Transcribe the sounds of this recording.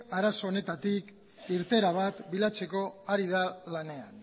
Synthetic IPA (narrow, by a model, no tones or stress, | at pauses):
aɾaso̞ːne̞t̪at̪ik | iɾt̪e̞ɾaβ̞at̪bilat͡se̞ko̞aɾið̞alane̞an